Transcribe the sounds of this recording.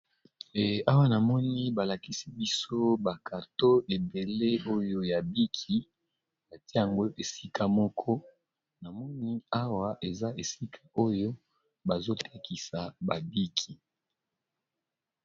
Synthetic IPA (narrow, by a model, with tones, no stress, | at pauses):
a˦wa˦na˨mɔ˦ni˦ba˨la˨ki˦si˦bi˦so˦ba˨kʰa˨to˦ʔe˨be˨le˦o˦jo˦ja˨bi˦kʰi˨ | na˨ti˦a˨ŋɡo˦ʔe˨si˦kʰa˦mɔ˦kʰɔ˦ | na˨mɔ˦ni˦a˦wa˦ʔe˨za˦ʔe˨si˦kʰa˦o˦jo˦ | ba˨zo˦tʰe˦kʰi˨sa˨ba˨bi˦kʰi˨